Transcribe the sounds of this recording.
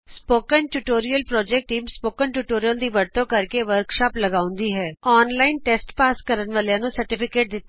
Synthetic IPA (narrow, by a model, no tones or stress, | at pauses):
spoːkənʈuːʈoːɾiːəlpɾɔːd͡ʒɛk̚ʈːiːmspoːkənʈuːʈoːɾijəld̪iːʋəɽt̪õːkəɾkeːʋəɾkʃaːpləɡaːʊ̃nd̪iːɦɛːɔːnlaːɪnʈeːsʈpaːskəɾənʋəːljãːnũːsəɾʈɪpʰɪkeːʈ̚d̪ɪt̪ː